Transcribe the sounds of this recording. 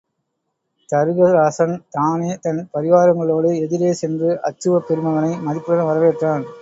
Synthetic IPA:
t̪ɐɾɯɣɐɾaːsɐnt̪aːneːt̪ɐnpɐɾɪʋaːɾɐŋɡɐɭoːɽɯɛðɪɾeːsɛndrɯʔɐ̰t͡ʃːɯʋɐpːɛɾɯmɐʋɐnɐɪmɐðɪpːɯɽɐɾɐʋɐɾɐʋeːʈraːn

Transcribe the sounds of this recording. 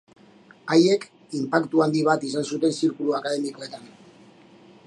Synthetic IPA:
aje̞k | impakt̪uand̪iβ̞at̪isansut̪e̞nsiɾkuluakað̞e̞miko̞e̞t̪an

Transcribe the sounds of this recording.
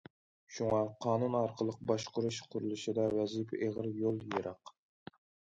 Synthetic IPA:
ʃuŋɑqʰɑːnunɑɾqʰəlˠəq̚bɑʃqʰʊɾuʃqʰʊɾulˠɨʃɨd̪ɑwɛzipʰeʁəɾjolˠjeɾʔɑq

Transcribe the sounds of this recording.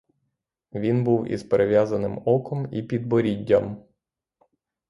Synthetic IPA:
ʋʲinbuwḭzpeɾeʋjazɐnɪmɔkɔmipʲid̪̚bɔɾʲidʲːɐm

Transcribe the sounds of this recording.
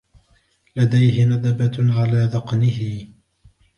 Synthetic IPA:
lad̪ajhɪnad̪abaʕalaːðɑqnɪhɪ

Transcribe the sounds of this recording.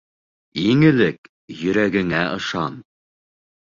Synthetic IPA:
iŋɘ̆lɘk | jɵ̆ɾæɡɘ̆ŋæʔɤ̆ʃɑn

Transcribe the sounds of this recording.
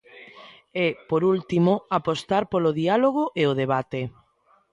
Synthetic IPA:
ɛpoɾult̪imoapost̪aɾpoloðialoɣ̞oʔeoðeβat̪e

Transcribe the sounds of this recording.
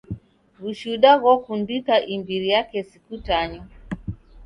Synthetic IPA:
ɣuʃuɗaɣɔfundikaʔimbiɾijakɛsikutaɲɔ

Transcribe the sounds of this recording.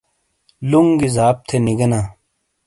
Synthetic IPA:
luŋɡizaːp̚t̪ʰeniɡɐnaː

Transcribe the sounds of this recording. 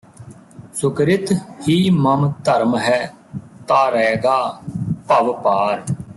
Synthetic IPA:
sʊkɾɪt̪hiːməmt̪əɾmɦɛː | t̪aːɾɛːɡaːpəʋpaːɾ

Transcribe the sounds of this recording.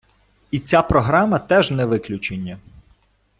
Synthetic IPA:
it͡sʲapɾɔɦɾɑmɐt̪ɛʒnɛʋɪklʲʊt͡ʃenʲːɐ

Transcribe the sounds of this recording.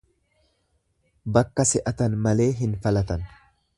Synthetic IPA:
bɐkːɐsɛʔɐt̪ɐnmɐle̞ːɦɪnfɐlɐt̪ɐn

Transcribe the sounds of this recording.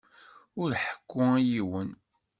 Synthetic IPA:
ʊɾħə̥kːʊæjiwən

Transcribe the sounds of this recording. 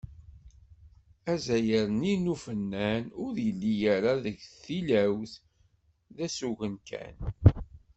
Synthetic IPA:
æzæjəɾəninufənːænʊɾjəlːijaɾaðəʝθilæwθ | ðæsuʝənkæ̰n

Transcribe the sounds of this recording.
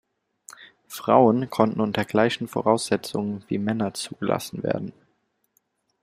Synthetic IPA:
fʁ̥aʊənkʰɔntn̩ʊntɐɡlaɪçn̩fo̰ʁaʊsz̥ɛt͡sʊŋənvḭːmɛnɐt͡suːɡəlʔa̰sn̩vḛːɐdn̩

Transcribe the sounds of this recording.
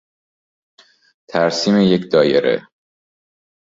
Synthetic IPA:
t̪ʰæɾsiːmejecʰd̪ɒːjeɾḛ

